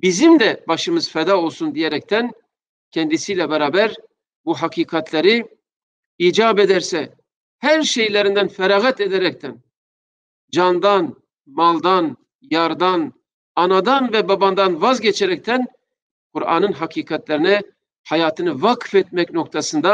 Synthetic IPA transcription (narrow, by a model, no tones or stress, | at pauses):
bizimd̪ɛbaʃɯmɯzfɛd̪aːo̞lˠsund̪ijeɛɾɛc̚t̪ʰæn | cʰɛnd̪isiːlʲɛbɛɾaːbæɾ | buɦakʰiːkʰɑt̪ʰleɾi | iːd͡ʒaːbed̪æɾsɛ | hæɾʃejlʲeɾind̪ænfɛɾaːɣɛt̪ed̪ɛɾɛc̚t̪ʰæn | d͡ʒand̪an | malˠd̪an | jaɾd̪an | ɑnad̪anvɛbaband̪anvazɟɛt͡ʃʰɛɾɛc̚t̪ʰæn | kʰuɾɑ̰ːnɯnɦakʰiːkʰɑt̪lʲɛɾinɛ | hajaːt̪ʰɯnɯvakfɛt̪̚mɛcno̞k̚t̪ʰasɯnd̪a